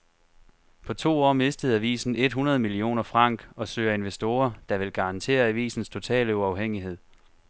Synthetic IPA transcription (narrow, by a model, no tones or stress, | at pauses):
pʰɒ̽t͡sʰo̝̰ːɒ̰ːme̝sd̥əð̞̩ˠæʋḭːsn̩e̝d̥ɦunɐð̞̩ˠəmilio̝̰ːnɐfʁɑ̈ŋ̰ɡ̥ɒ̽søːɐe̝nʋesd̥o̝ːɐd̥ɑ̈ʋe̝lɡ̥ɑ̈nt͡sʰe̝̰ːɐæʋḭːsn̩st͡sʰo̝t͡sʰɛ̰ːləuɑ̈ʊɦeŋ̰iɦe̝ð̰ˠ